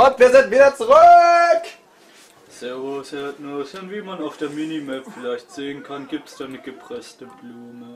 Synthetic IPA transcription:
ʔʊntv̥iːɐzɪntv̥iːdɐt͡suʁøk | sɛɐvosɛɐtnosʊntv̥iːmanaʊfd̥eːɐminimɛpfɪlaɪçtz̥eːənkʰanɡiːp̚təsd̥anəɡəpʁ̥ɛstəbluːmə

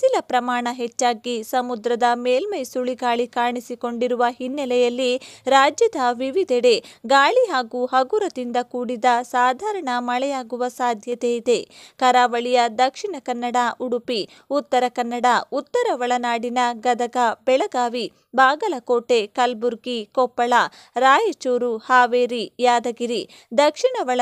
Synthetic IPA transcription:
silɐpɾɐmaːɳɐɦɛt͡ʃːaːɡisɐmud̪ɾɐd̪ɐmeːlmɐjsuɭiɡaːɭikaːɳisiko̞ɳɖiɾuʋɐɦinːɐlɛjɐlːiɾaːd͡ʒjɐd̪ʱɐʋiʋid̪ʱɛɽe̞ɡaːɭiɦaːɡuːɦɐɡuɾɐd̪ind̪ɐkuːɽid̪ɐsaːd̪ʱaːɾɐɳɐmɐɭɛjaːɡuʋɐsaːd̪ʱjɐt̪eid̪e̞kɐɾaːʋɐɭijɐd̪ɐkʂiɳɐkɐnːɐɽaʔuɽupi | ut̪ːɐɾɐkɐnːɐɽɐut̪ːɐɾɐʋɐɭɐnaːɽinɐɡɐd̪ɐɡabɛɭɐɡaːʋi | baːɡɐlɐkoːʈe̞kɐlbuɾɡikɔpːɐɭɐ | ɾaːjet͡ʃoːɾuhaːʋeːɾijaːd̪ɐɡiɾi | d̪ɐkʂiɳɐʋɐɭɐ

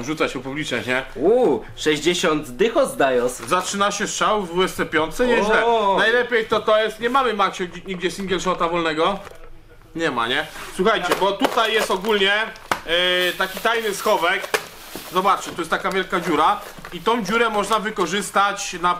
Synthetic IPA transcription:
vʐut̪saɕɛfpublʲit͡ʂɲɛɲɛu | ʂɛʑd͡ʑeɕɔnd̪d̪ɘxɔzd̪ajɔszat͡ʂɘnaɕɛst͡ʂawvuɛst̪sɛpʲjɔnt̪sɛɲɛʑlɛnajlɛpʲjɛjt̪ɔt̪ɔjɛst̪ɲɛmamɘmakɕɛɲiɡd͡ʑɛsʲiŋɡʲjɛlʂɔt̪avɔlnɛɡɔ | ɲɛma̰ɲɛswuxajɛbɔt̪ut̪ajːɛst̪ɔɡulɲɛ | t̪akʲit̪ajnɘsxɔvɛk | zɔbat͡ʂɘt̪ɔjɛst̪akavʲjɛlkad͡ʑuɾa | it̪ɔ̃w̃d͡ʑuɾɛmɔʐnavɘkɔʐɘst̪at͡ɕna

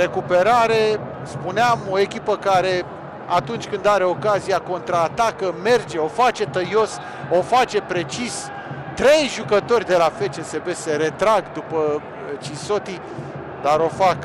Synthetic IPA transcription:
ɾe̞kupe̞ɾaɾe | spuneamo̞e̞kʲipəkaɾe̞ | at̪unt͡ʃʲkɨnd̪aɾe̞o̞kazijako̞nt̪ɾaːt̪akəme̞rd͡ʒe̞o̞fat͡ʃe̞t̪əjo̞s | o̞fat͡ʃe̞pɾe̞t͡ʃis | t̪ɾe̞jʒukət̪o̞rʲd̪e̞lafe̞t͡ʃense̞beseɾe̞t̪ɾaɡd̪upə | t͡ʃiso̞t̪i | d̪aɾo̞fak

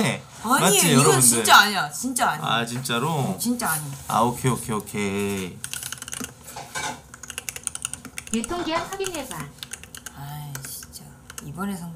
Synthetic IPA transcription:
aɲkaijʌɾʌbunt͡ɕdɯɭt͡ɕ͈aːɲat͡ɕint͡ɕ͈aaɲa̰t͡ɕint͡ɕ͈aɾot͡ɕint͡ɕ͈aaɲia̰okʰeokʰeokʰe | iɭtʰoŋɡiansabinesanajt͡ɕi̥nt͡ɕ͈a | ibʌne̞sʰʌŋ

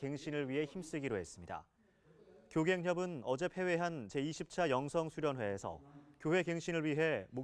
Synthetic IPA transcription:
ke̞ŋɕʰinɯɭɥiɦe̞çims͈ɯɡiɾoɦe̞s͈ɯmɲida̰ | kjoɡe̞ŋɦjʌbɯnʌd͡ʑe̞pʰe̞we̞ɦant͡ɕe̞iɕʰip̚t͡ɕʰajʌŋsʰʌŋsʰuɾjʌnwe̞ːsʰʌ̰kjowe̞ke̞ŋɕʰinɯɭɥiɦe̞mo

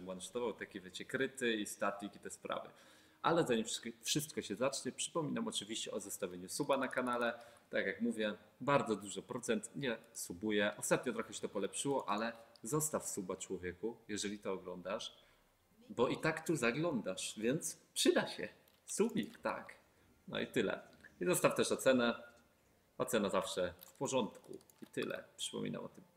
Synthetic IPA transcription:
bwanʂt̪ɔvawt̪akʲivʲjɛt͡ɕɛkɾɘt̪ɘist̪at̪ʲikit̪ɛspɾa̰vɘ̰ | ʔa̰lɛzaɲimʂfʂɘst̪̚kɔɕɛzat͡ʂɲɛpʂɘ̥pɔmʲinamɔt͡ʂɘvʲiɕt͡ɕɛʔɔzɔst̪avʲjeɲusubanakanalɛt̪akjakmuvʲjɛ | baɾd̪zɔd̪uʐɨpɾɔt̪sɛnt̪ɲɛsubujɛʔɔst̪at̪̚ɲɔt̪ɾɔxɛɕɛ̥t̪ɔpɔlɛpʂɘwɔʔalɛzɔst̪afsubat͡ʂwɔvʲjɛkujɛʐɛlʲit̪ɔːɡlɔnd̪aʂ | bɔʔit̪akt̪uzaɡlɔnd̪aʂvʲjɛnt̪spʂɘd̪aɕɛ̰ | subʲikt̪a̰k | nɔ̰ḭt̪ɘlɛ̰izɔst̪aft̪ɛʂɔt̪sɛnɛ | ɔt̪sɛnazafʂɛfpɔʐɔnt̪kṵ | it̪ɘ̰lɛ̰pʂɘ̥pɔ̰mʲḭna̰mɔ̰t̪ɘm

